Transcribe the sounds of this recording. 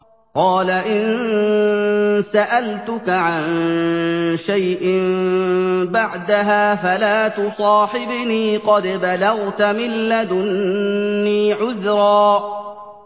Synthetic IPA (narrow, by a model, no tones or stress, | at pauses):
qɑːlaʔɪn | saʔalt̪ʊkaʕan | ʃajʔɪm | baʕd̪aɦaːfalaːt̪ʊsˤɑːħɪbniːqɑd̪balɑɣt̪amɪlːad̪ʊnː | iːʕʊðɾˤɑː